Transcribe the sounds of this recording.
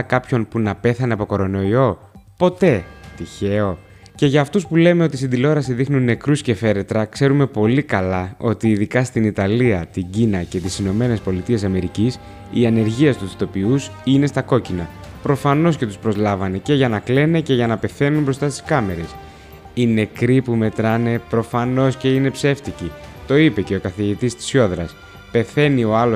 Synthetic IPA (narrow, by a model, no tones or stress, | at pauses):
kɐpço̞npunɐpe̞θɐneɐpo̞ko̞ɾo̞no̞io̞ | po̞t̪e̞t̪içe̞o̞ | ce̞ʝɐːft̪uspule̞me̞o̞t̪isind̪ilo̞ɾɐsiðixnunːe̞kɾusce̞fe̞ɾe̞t̪ɾɐkse̞ɾume̞po̞likɐlɐo̞t̪iːðikɐst̪init̪ɐliɐt̪iɲɟinɐce̞t̪isino̞me̞ne̞spo̞lit̪ie̞sɐme̞ɾicis | iɐne̞ɾʝiɐst̪usit̪o̞piusine̞st̪ɐko̞cinɐpɾo̞fɐno̞sce̞t̪uspɾo̞zlɐvɐne̞ce̞ʝɐnɐkle̞ne̞ce̞ʝɐnɐpe̞θe̞numbɾo̞st̪ɐst̪i̥skɐme̞ɾe̞s | ine̞kɾipume̞t̪ɾɐne̞pɾo̞fɐno̞sce̞ine̞pse̞ft̪icit̪o̞ipe̞ce̞o̞kɐθiʝit̪ist̪i̥sço̞ðɾɐs | pe̞θe̞nio̞ɐlo